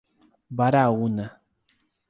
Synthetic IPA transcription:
baɾauna

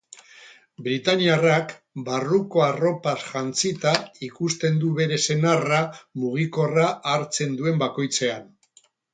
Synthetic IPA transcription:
bɾit̪aniarak | baruko̞aro̞pasʝant͡sit̪aikust̪e̞nd̪uβe̞ɾe̞se̞naramuɣ̞iko̞raʔːɾt͡se̞nd̪ue̞mbako̞jt͡se̞an

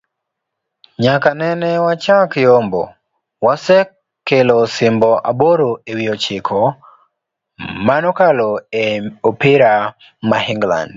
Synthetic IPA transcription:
ɲakanɛnɛwat͡ʃakjombo̰ | wasɛkː | elosɪmbɔʔaboɾoewiot͡ʃɪkʰɔ | manɔkaloeopiɾa | mahiŋɡla̰nd

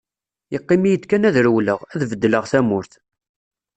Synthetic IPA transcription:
jəqːimijəd̪kænæðɾwləʁæðvəd̪ːləʁθæmʊɾθ

